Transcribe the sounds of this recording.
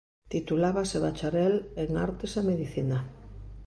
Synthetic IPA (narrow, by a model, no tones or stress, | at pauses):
t̪it̪ulaβaseβat͡ʃaɾɛleŋa̰ɾt̪esameðiθina